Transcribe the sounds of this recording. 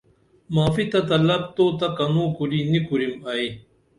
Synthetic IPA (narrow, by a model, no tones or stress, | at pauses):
maːfit̪ɐt̪ɐlɐb̚t̪oːt̪ɐkɐnũːkuɾinikuɾimɐi